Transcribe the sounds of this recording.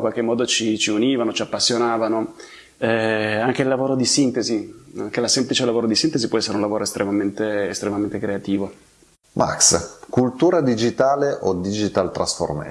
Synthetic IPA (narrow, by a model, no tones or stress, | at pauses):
kwalk̟emːɔːd̪ot͡ʃit͡ʃiuniːvanot͡ʃiapːasːjonaːvano | ɛaŋk̟eilːavoːɾod̪isint̪eziaŋk̟elasemplit͡ʃelavoːɾod̪isint̪ezipwɔɛsːeɾeunlavoːɾʔoest̪ɾʔemament̪eːst̪ɾemament̪ekɾeat̪iːvo | mʔa̰kskult̪uːɾad̪id͡ʒit̪aːleʔod̪id͡ʒit̪alt̪ɾa̰sfo̰rmḛ